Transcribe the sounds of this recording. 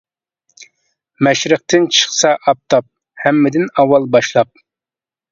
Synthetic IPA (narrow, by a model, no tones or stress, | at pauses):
mɛʃɾɨq̚t̪ʰɨnt͡ʃʰə̥χsɑʔɑp̚t̪ʰɑp̚ | hɛmːɪd̪ɪnɑwːɑlˠbɑʃlˠɑp̚